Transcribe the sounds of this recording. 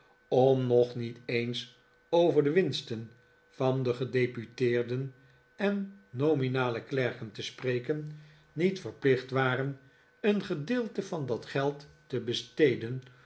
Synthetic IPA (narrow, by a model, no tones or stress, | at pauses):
ɔmnɔχnitejns | owvəɹdəʋɪnstən | v̥ɑndəχədejpytɪːɹdən | ɛnːowminaːləklɛɹkəntəsprejkənː | itfəɹplɪχtʋaːrən | ənχədɪːlˠtəvɑndɑtχɛlˠtːəbəstejdən